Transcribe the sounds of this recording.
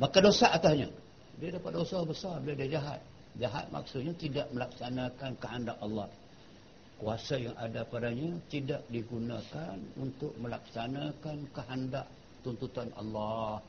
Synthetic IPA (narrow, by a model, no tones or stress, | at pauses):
makadosaʔat̪asɲa̰ | diadapat̪̚dosabəsarbiladiad͡ʒaɦa̰t̪̚ | d͡ʒaɦa̰t̪̚ma̰ksʊt̪̚ɲat̪idaʔməlak̚sanãkankəɦandaʔalːɑh | kuasajaŋa̰dapadaɲat̪idaʔ̚diɡunãkanṵnt̪ʊk̚məlak̚sanãkankəɦandaʔ | t̪unt̪ut̪ana̰lːɑh